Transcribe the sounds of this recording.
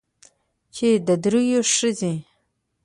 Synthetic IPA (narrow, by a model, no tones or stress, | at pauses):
t͡ʃʰed̪ad̪ɾujoʂɨzi